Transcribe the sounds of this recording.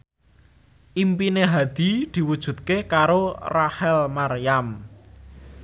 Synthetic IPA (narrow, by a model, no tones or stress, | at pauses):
ʔimpineɦad̪̥i̤d̪̥i̤wud̥ʒ̥ṳt̪̚kekaɾorahɛlmarjam